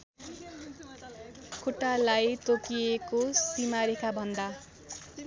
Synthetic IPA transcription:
kʰuʈːalajt̪okiekosimaɾekabʱʌnd̪a

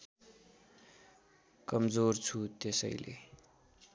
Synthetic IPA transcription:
kʌmd͡zort͡sʰut̪esʌ̰jlḛ

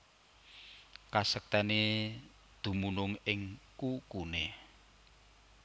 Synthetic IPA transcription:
kasək̚t̪ɛne | d̪̥ṳmunʊŋɪŋkukune

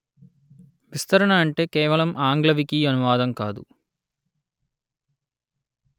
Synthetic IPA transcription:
ʋist̪ɐɾɐɳɐːɳʈe̞ːkɛːʋɐɭɐmʔaːŋɡlɐʋikiɐnuʋaːd̪ɐmkaːd̪ṵ

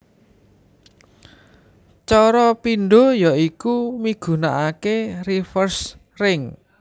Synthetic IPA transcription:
t͡ʃɔɾɔpinɖo̤jaikumiɡ̥ṳnaʔakerifərs | rɪŋ

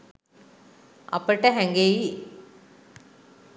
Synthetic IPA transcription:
ɐ̰pəʈəɦɛŋɡeji

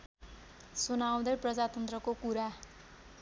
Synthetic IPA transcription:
sunaw̃d̪ʌprʌd͡zat̪ʌnt̪rʌkokuɾa

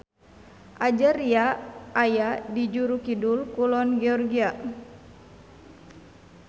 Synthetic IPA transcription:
ʔad͡ʒaɾiaːjadid͡ʒuɾukidulkulɔnɡɛɔrɡia

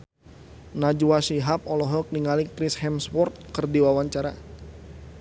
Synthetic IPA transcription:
nad͡ʒuwaʃiɦap̚ɔlɔɦɔk̚niŋalikɾishɛmswɔrt̪̚kərdiwawaɲt͡ʃaɾa

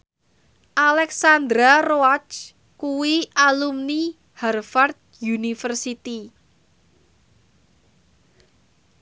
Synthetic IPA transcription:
ʔalɛksand̪ɾaroat͡ʃt͡ʃ | kuwiʔalumni | harfart̪̚junifərsit̪i

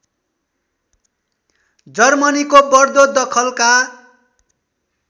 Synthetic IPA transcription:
d͡zʌrmʌnikobʌrd̪od̪ʌkʰʌlka

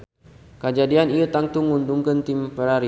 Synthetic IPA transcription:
kəd͡ʒadianiət̪aŋt̪uŋunduŋkənt̪impəɾaɾi

